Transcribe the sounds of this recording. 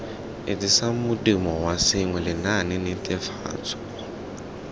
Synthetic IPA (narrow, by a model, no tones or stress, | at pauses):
ɪtʼisamʊdimɔwasɪŋwɛlɪnanɪnɪtʼɛfa̰ːt͡sʰʼɔ̥